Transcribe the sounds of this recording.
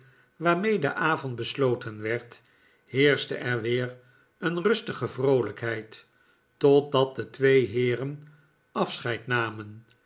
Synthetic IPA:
ʋaːɹmejdəʔaːvɔntbəslowtʰənʋɛɹt | hɪːɹsdəʔɛɹʋɪːr | ənrɵstəχəvrowləkɦɛjt | ɔt̚dɑt̚dətʋejɦɪːrən | ɑfsχɛjtnaːmən

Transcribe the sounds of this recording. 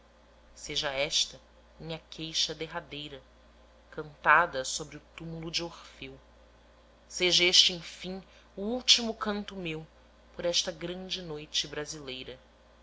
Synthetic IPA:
seʒɐɛʃt̪ɐ | mĩɲɐkʰejʃɐd̪eɦad̪ejɾɐ | kɐ̃nt̪ad̪ɐsobɾɪʊt̪umulud͡ʒɪoχfew | seʒɐeʃt͡ʃɪẽj̃fĩŋ | uuwt͡ʃimʊkɐ̃nt̪ʊmew | poɾɛʃt̪ɐɡɾɐ̃nd͡ʒɪnojt͡ʃɪbɾazilejɾɐ

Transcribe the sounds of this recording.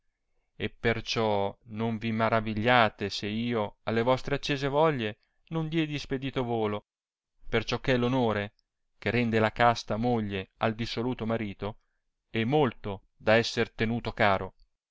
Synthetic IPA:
epːert͡ʃɔnoɱvimaɾaviʎːaːt̪eseiːoalːevɔst̪ɾeat͡ʃːeːzevɔʎːe | nond̪jɛd̪isped̪iːt̪ovoːlo | pert͡ʃɔkːɛlonoːɾe | kerɛnd̪elakast̪amoʎːeald̪isoluːt̪omaɾiːt̪o | ɛmːolt̪o | d̪aɛsːert̪enuːt̪okaːɾo

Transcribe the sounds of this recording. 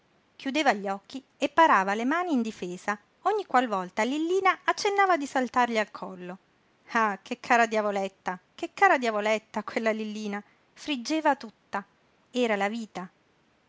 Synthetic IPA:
k̟jud̪eːvaʎːɔkːi | epːaɾaːvalemaːniːnd̪ifeːza | oɲːikːwalvɔlt̪alilːiːnaat͡ʃːenːaːvad̪isalt̪arʎialkʰɔlːo | akʰekʰːaːɾad̪javolet̪ːakekːaːɾad̪javolet̪ːakwelːalilːiːna | fɾid͡ʒːeːvat̪ut̪ːa | ɛːɾalaviːt̪a

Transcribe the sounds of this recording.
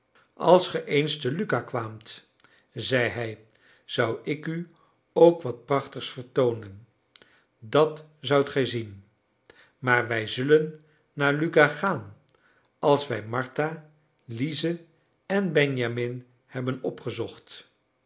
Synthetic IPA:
ɑ̰lˠsχəʔejnstəlykakʋaːmt | zɛjɦɛj | z̥ʌwɪky | owkʋɑt̚prɑχtəχsfəɹtownən | dɑtzʌwtχɛjzin | maːɹʋɛjzɵlənː | aːɹlykaχaːn | ɑlˠsʋɛjmɑɹta | lizə | ɛnbɛnjamɪn | hɛbənɔpχəzɔχt

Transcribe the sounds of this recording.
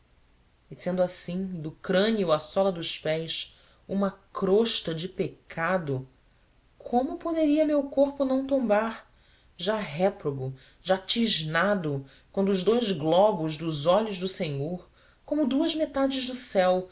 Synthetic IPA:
ɪsẽnd̪ʊasĩd̪ʊkɾɐ̃niʊɐsɔlɐd̪ʊʃpɛjs | ũmɐkɾoʃt̪ɐd͡ʒɪpekʰad̪ʊ | kʰõmʊpod̪eɾiɐmewkoɾpʊnɐ̃w̃t̪õmbaɾ | ʒaɦɛpɾoɡʊ | ʒat͡ʃiʒnad̪ʊ | kwɐ̃nd̪ʊːʒd̪ojzɡlɔbʊzd̪ʊzɔʎʊʒd̪ʊsẽɲoɾ | kõmʊd̪uɐzmet̪ad͡ʒɪʒd̪ʊsɛw

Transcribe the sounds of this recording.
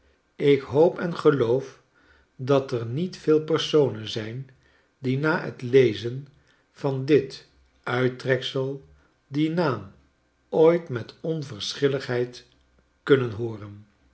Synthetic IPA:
ɪkɦowpɛnχəlowf | dɑtərnitfɪːlˠpɛɹsownənzɛjn | dinaːɦə̰tlejzən | v̥ɑndɪt | ʔœɥtrɛksəlˠ | dinaːm | ojtmɛtɔnvəɹsχɪləχɦɛjt | kɵnənɦoːrən

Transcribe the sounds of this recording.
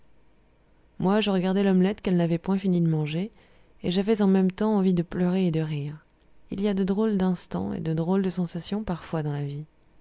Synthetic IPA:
mwaʒəʁəɡaʁd̪ɛlɔmlɛt̪kɛlnavɛpwɛ̃finid̪əmɑ̃ʒe | eʒavɛzɑ̃mɛmt̪ɑ̃ːvid̪əplœʁeːd̪əʁiʁ | ḭliad̪əd̪ʁold̪ɛ̃st̪ɑ̰̃ḛd̪əd̪ʁold̪əsɑ̃sasjɔ̃paʁfwad̪ɑ̃lavi

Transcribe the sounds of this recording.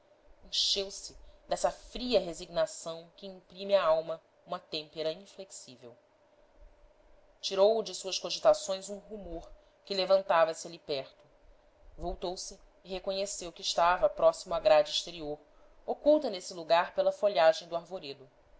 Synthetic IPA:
ẽʃewsɪd̪ɛsɐfɾiɐɦeziɡnasɐ̃w̃kɪĩmpɾĩmɪaawmɐ | ũmɐt̪ẽmpeɾɐĩfleksivḛw | t͡ʃiɾowd͡ʒɪsuɐʃkoʒit̪asõj̃zũɦumoɾ | kɪlevɐ̃nt̪avɐsɪalipɛɾt̪ʊ | vowt̪owsɪː | ɦekõɲesewkɪːʃt̪avɐpɾɔsimʊaɡɾad͡ʒiʃt̪eɾioɾ | okuwt̪ɐnesɪluɡaɾpelɐfoʎaʒẽj̃d̪ʊaɾvoɾed̪ʊ

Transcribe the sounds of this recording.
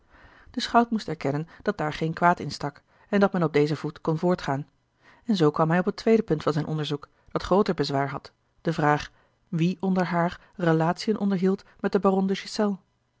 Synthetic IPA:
d̥əsχɑwtmustɛɹkɛnənd̥ɑt̚daːɹχejnkʋaːtɪnstɑk | ɛndɑt̚mɛnɔb̚dejzəvutkɔnvʊːɹtχaːn | ɛnzowkʋɑmɦɛjɔpətʋejdəpɵntfɑnzɛjnʔɔndəɹzuk | d̥ɑtχrowtəɹbəzʋaːɹɦɑt | d̥əvraːχ | ʋiʔɔndəɹɦaːr | rəlaːtsijənʔɔndəɹɦiːlˠtmɛt̚dəbaːrɔndəʃisɛlˠ

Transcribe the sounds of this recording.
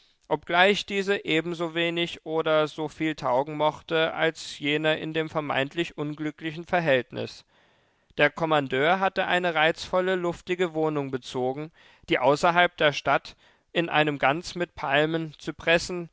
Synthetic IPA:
ʔɔp̚ɡ̥laɪçd̥iːzəʔeːbm̩zoːveːnɪçʔoːɾɐzoːfiːltʰaʊɡŋ̩mɔχtəʔa̰lsjeːnɐʔɪ̰ndeːmfɛɐma̰ɪntʰlɪçʔʊnɡlʏklɪçn̩fɛɐɦɛltnɪ̰s | d̥eːɐkʰɔmandøːɐɦatəʔa̰ɪnəʁaɪt͡sfɔləlʊftɪɡəvoːnʊŋbət͡soːɡŋ̩ | d̥iːʔaʊsɐɦalp̚d̥eːɐʃtat | ʔɪnʔa̰ɪnəmɡant͡smɪt̚pʰalmənt͡supʁ̥ɛsn̩

